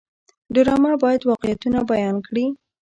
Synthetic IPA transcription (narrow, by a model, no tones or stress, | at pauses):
d̪ʊɾɑmabɑjad̪wɑqɪjat̪unabajɑnkɽi